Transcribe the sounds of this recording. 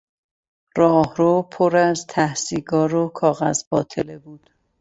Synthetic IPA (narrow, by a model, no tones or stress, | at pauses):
rɒːhɾopʰoɾæzt̪ʰæhsiːɡɒːɾokʰɒːɣæ̰zbɒːt̪ʰelebuːd̪̥